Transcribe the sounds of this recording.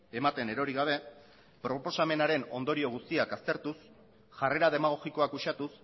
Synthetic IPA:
e̞mat̪e̞ne̞ɾo̞ɾiɣ̞aβ̞e̞ | pɾo̞po̞same̞naɾe̞no̞nd̪o̞ɾio̞ɣ̞ust̪iakast̪e̞ɾt̪us | ʝare̞ɾað̞e̞maɣ̞o̞ɣiko̞akuʃat̪us

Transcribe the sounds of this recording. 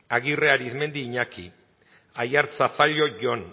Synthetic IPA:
aɣireaɾiθme̞nd̪iːɲaki | ajaɾt͡safaʎo̞ʝon

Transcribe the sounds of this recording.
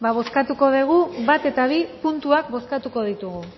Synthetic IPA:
baβo̞skat̪uko̞ðeɣ̞uβat̪e̞t̪aβ̞ipunt̪uak̚bo̞skat̪uko̞ð̞it̪uɣu

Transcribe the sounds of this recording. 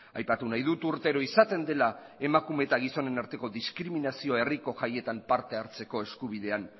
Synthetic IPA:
ajpat̪unajðut̪uɾt̪e̞ɾoisat̪e̞nd̪e̞lae̞makume̞t̪aɣ̞iso̞ne̞naɾt̪e̞ko̞ðiskɾiminasio̞e̞riko̞ʝaje̞t̪ampaɾt̪e̞aɾt͡se̞ko̞e̞skuβ̞ið̞e̞an

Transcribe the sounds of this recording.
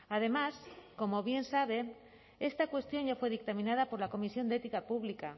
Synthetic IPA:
að̞e̞masko̞moβje̞nsaβ̞e̞ | est̪akwe̞st̪jo̞ɲʝafwe̞ð̞ik̚t̪amĩnað̞apo̞ɾlako̞misjo̞nd̪et̪ikapuβ̞lika

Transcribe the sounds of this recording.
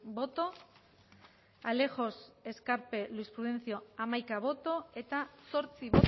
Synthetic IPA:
bo̞t̪o̞ | ale̞xo̞se̞skaɾpe̞luispɾuðe̞nθio̞amajkaβ̞o̞t̪o̞e̞t̪aso̞ɾt͡siβo

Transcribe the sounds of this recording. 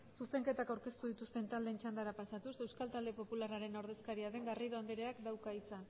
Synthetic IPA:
suse̞ŋke̞t̪akawɾke̞st̪uð̞it̪ust̪e̞nt̪ald̪e̞ːnt͡ʃand̪aɾapasat̪usewskalt̪ald̪e̞po̞pulaɾaɾe̞noɾð̞e̞skaɾiaðe̞ŋɡariðo̞and̪eɾeakd̪awkaisan

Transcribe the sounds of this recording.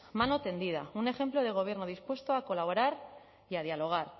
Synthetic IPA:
mano̞t̪e̞nd̪ið̞a̰une̞xe̞mplo̞ð̞e̞ɣ̞o̞β̞je̞ɾnoðispwe̞st̪oako̞laβ̞o̞ɾaɾ | iað̞jalo̞ɣ̞aɾ

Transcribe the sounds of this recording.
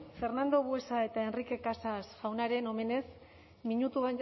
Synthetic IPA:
fe̞rnand̪o̞βwe̞sae̞t̪aenrike̞kasasʝawnaɾe̞no̞me̞ne̞s | miɲut̪uβan

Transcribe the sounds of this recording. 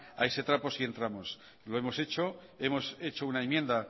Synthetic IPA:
aese̞t̪ɾapo̞sie̞nt̪ɾamo̞s | lo̞e̞mo̞se̞t͡ʃo̞ | e̞mo̞se̞t͡ʃounaemjẽ̞nd̪a

